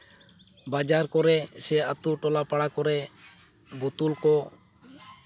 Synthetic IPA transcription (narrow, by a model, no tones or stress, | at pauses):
bad͡ʒaɾkɔɾɛsɛat̪uʈɔlapaɽakɔɾɛ | but̪ulkɔ